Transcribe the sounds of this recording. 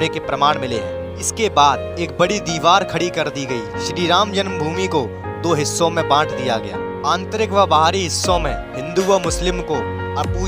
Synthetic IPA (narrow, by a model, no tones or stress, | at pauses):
ekepɾɐmaːɽ̃mɪleɦɛ̰̃ː | ɪskebaːd̪ | eːk̚bɐɽid̪iːʋaːɾkʰɐɽikɐɾd̪iɡɐḭʃɪɾiːɾaːmd͡ʒənmbʱuːmiko | d̪oːɦɪsːõmẽbãːʈʰd̪ijaɡɐja̰ː | ãːnt̪ɾɪkʋabaɦaːɾiɦɪsːõmẽɦɪ̃nd̪uʋəmʊslɪmko | ɐpuː